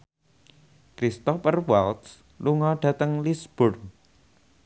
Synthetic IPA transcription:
kɾist̪ɔfərwalt̪s | luŋɔɖ̥ä̤t̪əŋlisb̥ʊr

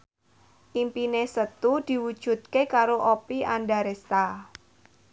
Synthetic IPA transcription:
ʔimpinesət̪ud̪̥i̤wud̥ʒ̥ṳt̪̚kekaɾoʔopiandaɾest̪a

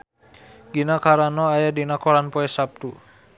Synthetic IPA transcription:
ɡinakaɾanɔajadinakɔlanpɔɛsap̚t̪u

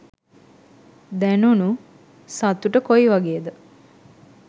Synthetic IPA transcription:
d̪ænunu | sat̪uʈəkojiʋaɡeːd̪ə

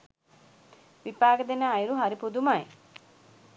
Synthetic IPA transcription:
ʋipaːɡəd̪enaːjɾuɦaɾipud̪umaj

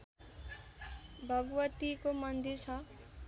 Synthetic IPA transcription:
bʱʌɡwʌt̪ikomʌnd̪iɾt͡sʰʌ

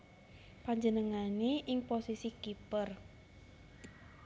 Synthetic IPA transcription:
paɲd͡ʒənəŋaneʔɪŋposisikipər

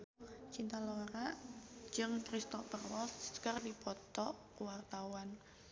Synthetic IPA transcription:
t͡ʃint̪aloɾad͡ʒɨŋkɾist̪ɔfərwɔskərdipɔt̪ɔʔkuwart̪awan

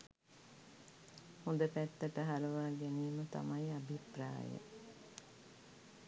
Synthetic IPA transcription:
hõnd̪əpæt̪ːəʈəɦaləʋaːɡæniːmət̪a̰maiabʱipra̰ːjə̰

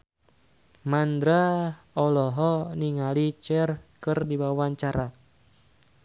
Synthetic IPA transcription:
mand̪ɾa | ɔlɔɦɔniŋalit͡ʃɛrkɨrdibawaɲt͡ʃaɾa

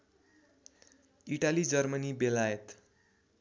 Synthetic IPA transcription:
iʈalid͡zʌrmʌnibelajet̪

